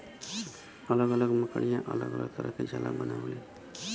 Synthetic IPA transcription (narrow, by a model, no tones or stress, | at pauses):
ʌlʌɡʌlʌɡmʌkɽijãʔʌlʌ̰ɡʌlʌ̰ɡ̚t̪ʌɾʌkad͡ʒala̰bʌnaw̃le